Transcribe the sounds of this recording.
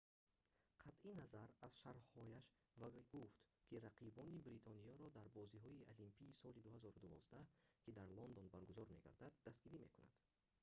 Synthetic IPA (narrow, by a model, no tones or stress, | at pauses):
qʰat̪ʔinazaɾaz̥ʃaɾhɔjaʃ | vaɡuft̪kʰiɾaqʰibɔnibɾit̪ʰɔnijɔɾɔd̪aɾbɔziɦɔiʔalimpʰiːsɔlid̪uhazɔɾud̪uvɔ̰zd̪akʰid̪aɾlɔnd̪ɔnbaɾɡuzɔɾme̞ɡa̰ɾd̪ad̪ːast̪̚ɡiɾimḛkuna̰d̪̥